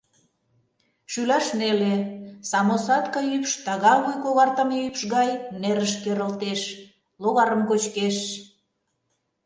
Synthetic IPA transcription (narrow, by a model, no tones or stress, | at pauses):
ʃylɑʃnelesɑmosɑt̪kɑjypʃt̪ɑɣɑβujkoɣɑrt̪əmeypʃɣɑjneɾəʃkeɾə̆lt̪eʃ | loɣɑɾəmkot͡ɕkeʃ